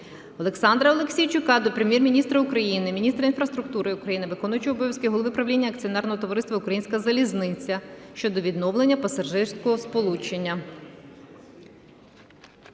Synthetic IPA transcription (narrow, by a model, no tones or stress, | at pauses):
ɔlˠe̞ksɑnd̪ɾɐɔlˠeksʲijt͡ʃʊkɑd̪ɔpɾemʲjɛrmʲinʲist̪ɾɐʊkɾɐjinɪmʲinʲist̪ɾɐin̪fɾɐst̪ɾʊk̚t̪uɾɪukɾɐjinɪʋɪkɔnʊjʊt͡ʃɪɔbɔʋʲjɐskɪɦɔlˠɔʋɪpɾɐʋlʲinʲːɐkt͡sʲiɔnɛrnɔɦɔt̪ɔʋɔɾɪst̪ʋɐʊkɾɐjinʲsʲkɐzɐlʲiznɪt͡sʲːɐʃt͡ʃɔd̪ɔʋʲid̪nɔwlˠenʲːɐpɐsɐʒɪrsʲkɔɦɔspɔlˠut͡ʃenʲːɐ